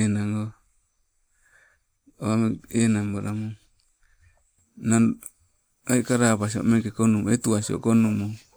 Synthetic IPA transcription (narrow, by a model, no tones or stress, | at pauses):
naŋo | ameenambaɾamu | nan | aikaɾapas̬io̰meŋkekonumet̪uasio̰konumu